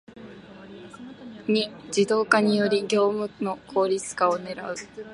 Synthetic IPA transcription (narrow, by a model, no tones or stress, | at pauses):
ɲ̟id͡ʑid̪o̞ːkaɲ̟ijo̞ɾʲiɡʲo̞ːmɯ̟no̞kʰo̞ːɾʲit͡sɨ̥kao̞ne̞ɾa̰ɯ̟